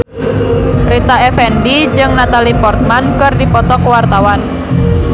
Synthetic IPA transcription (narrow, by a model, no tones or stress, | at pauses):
rit̪aɛfɛndid͡ʒɨŋnat̪alipɔrt̪̚mankɨrdipɔt̪ɔkwart̪awan